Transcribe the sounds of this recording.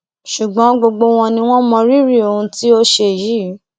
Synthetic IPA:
ʃu˨ɡ͡bɔ̃˨˦ɡ͡bo˧ɡ͡bo˧w̃ɔ̃˧nĩ˧w̃ɔ̃˦mɔ̃˧ɾi˦ɾi˦˨o˨ũ˧ti˦o˦ʃe˧˨ji˨˦

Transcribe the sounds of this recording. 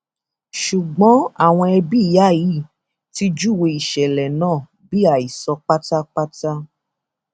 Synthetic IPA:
ʃu˨ɡ͡bɔ̃˨˦a˦˨w̃ɔ̃˧ɛ˧bi˦˨ja˦˨ji˨˦˨ | ti˦d͡ʒu˦˨we˧i˨ʃɛ˨lɛ˨nãː˦˨ | bi˦a˦˨i˨sɔ˧k͡pa˦ta˦k͡pa˦ta˦

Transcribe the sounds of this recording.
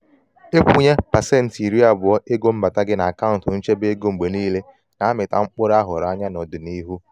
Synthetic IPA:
e˦kʷu˦ɲe˦pa˨se˦n̩˨ti˨ɾi˦a˨bʊ˨ɔ˦ʔe˦ɡo˦m̩˦ba˨ta˦ɡɪ˦na˨a˨ka˦ʊ̃˨n˨tʊ˨n̩˦t͡ʃe˦be˦e˦ɡo˦ŋ͡m̩˨ɡ͡be˨niː˦le˦ | na˨˦mɪ˨ta̰˨ŋ͡m̩˦k͡pʊ˦ɾa˦ɦʊ˨ɾa˦ɲa˦nɔ˨dʊ˨ni˦ɦu˦

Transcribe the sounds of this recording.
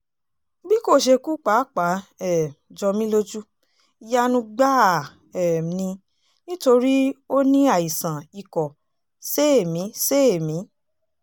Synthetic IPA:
bi˦ko˦˨ʃe˧ku˦k͡pa˨˦k͡pa˨˦ɛ˦˨d͡ʒɔ˧mĩ˦lo˦d͡ʒu˦ | i˧ja˦nũ˧ɡ͡ba˦˨ | ɛ˨m˨nĩ˧ | nĩ˦to˧ɾi˦o˦nĩ˦a˦˨i˨sã˨i˨kɔ˨ | se˦e˦˨mĩ˨˦se˦e˦˨mĩ˨˦

